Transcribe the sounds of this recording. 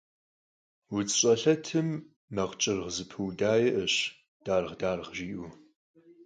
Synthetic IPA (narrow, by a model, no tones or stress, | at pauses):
wʊt͡sʼɕʼɐɬɐtʰɨmː | ɐʁt͡ʃʼɪrʁzɨpʰɨwdaːjɛʔəɕ | d̥aːrʁdaːrʁʒiːʔu